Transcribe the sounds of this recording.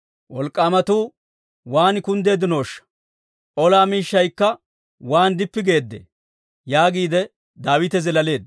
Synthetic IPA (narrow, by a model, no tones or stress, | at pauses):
wɔlkʼːaːmɐt̪uː | waːnɪkʊnd̪e̞ːd̪ɪno̞ːʃːɐ̥ | ʔɔlaːmiːʃːɐjkːɐ | waːnd̪ɪpːɪɡe̞ːd̪ːḛ | jaːɡiːd̪ɛ | d̪aːwɪt̪ɛzɛlɐle̞ːd̪